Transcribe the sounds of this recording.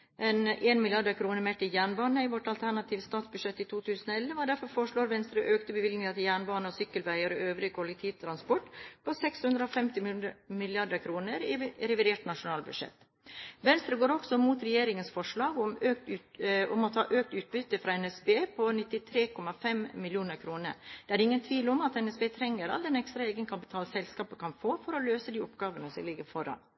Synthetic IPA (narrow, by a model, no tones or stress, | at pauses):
ʔɛnʔeːnmɪljɑɖəkʰɾuːnəɾmeːʈɪjæːɳbɑːnəɪʋɔʈɑlt̪ʰæɳɑt̪ʰiːʋəst̪ɑːt̪sbʉʂɛt̪ːit̪ʰuːt̪ʰʉːsənoɛlːəʋɑːɖ̪æɾfɔɾfoːɾəʂɭoːɾʋɛnst̪ɾəʔøːkt̪əbəʋɪlɡ̪nɪŋət̪ʰɪljæːɳbɑːnəɔsʏkːəlʋæɪəɾɔøːʋɾɪkʰʋɔlɪkt̪ʰiːt̪ʰɾɑnspɔʈpʰɔsɛkshʉnd̪ɾəɔfɛmt̪ɪmmɪlɪɑɖəkʰɾuːnəɾɪɾɛʋɪd̪eːʈnɑʂʊnɑːlbʉ̥ʂɛ̰t̪ː | ʋɛnst̪ɾəɡoːɾɔksɔmuːt̪ɾɛjeːɾɪŋənsfɔʂɭɑːɡʊmøːk̚t̪ʉʊmɔt̪hɑ̰ːʔøːk̚t̪ʉːt̪̚bʏt̪ːəfɾɑːɛnɛsbeːpʰɔnɪt̪ːɪt̪ʰɾeːkʰɔmɑfɛmːɪljuːnəɾkʰɾuːnə̰ɾd̪̥ɛæɾɪŋːənt̪ʰʋiːlɔmɑt̪ɛnɛsbeːt̪ʰɾɛŋːəɾɑ̰ld̪ɛnɛkst̪ɾɑeːɡənkʰɑpɪt̪ʰɑːlsɛlskɑːpəkɑnfoːfɔɾɔløːsəd̪iːɔpɡɑːʋənəsɔlɪɡːəɾfɔɾɑ̰n